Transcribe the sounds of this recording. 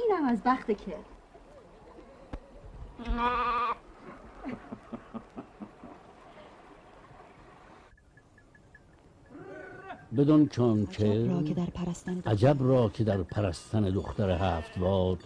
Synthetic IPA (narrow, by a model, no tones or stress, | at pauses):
iːnæmæzbæχt̪ekʰe | bed̪ont͡ʃʰɒːnt͡ʃʰeɾːd̪ɾpʰæɾæst̪ænæd͡ʒæbrɒːkʰed̪æɾpʰæɾæst̪ʰæned̪oχt̪ʰæɾeɦæːft̪bɒːd̪